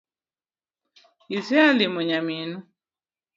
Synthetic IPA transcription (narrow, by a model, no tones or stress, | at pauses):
isialimoɲaminu